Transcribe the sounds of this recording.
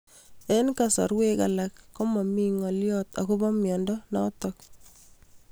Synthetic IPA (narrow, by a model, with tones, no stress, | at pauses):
enka˨sɔ̰˨ɾweka̰lakːɔ˦mɔ˨mi˦ŋɔ˨ljɔ˦ta̰˨ku˦bɔ˦mjɔ˨ndɔnɔ˦tɔk̚